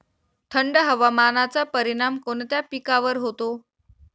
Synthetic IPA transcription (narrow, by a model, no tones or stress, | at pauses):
t̪ʰəɳɖəɦəʋamanat͡sapəɾiɽ̃amkoɳt̪japikaʋəɾɦot̪o